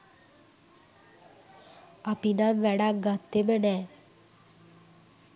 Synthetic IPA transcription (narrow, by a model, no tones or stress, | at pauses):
apinaʋɛɽaɡat̪ːemənɛ